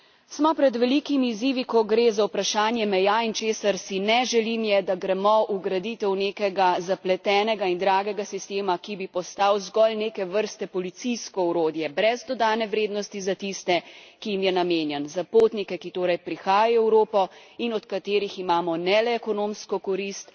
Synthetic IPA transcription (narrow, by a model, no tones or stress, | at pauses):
smɔpɾɛd̪ʋɛlikimiːziːʋikɔɡɾeːzawpɾaʃaːnjɛmɛjaint͡ʃeːsaɾsinɛʒɛlimjɛd̪aɡɾɛmɔʔuɡɾad̪it̪ɛwneːkɛɡazaplɛt̪ɛːnɛɡaind̪ɾaːɡɛɡasist̪eːmakibipɔst̪awzɡɔlneːkɛʋəɾst̪ɛpɔlit̪sijskɔuɾoːd̪jɛbɾɛzd̪ɔd̪aːnɛʋɾeːd̪nɔst̪izat̪ist̪ɛkijimjɛnameːnjɛnzapoːt̪nikɛkit̪oːɾɛjpɾixaːjaɔɛwɾoːpɔinɔt̪kat̪eːɾiximaːmɔnɛlɛːkɔnomskɔkɔɾist̪